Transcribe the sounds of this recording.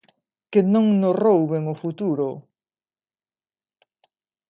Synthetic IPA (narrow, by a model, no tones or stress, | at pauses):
kenõŋnorowβeŋʊfut̪uɾʊ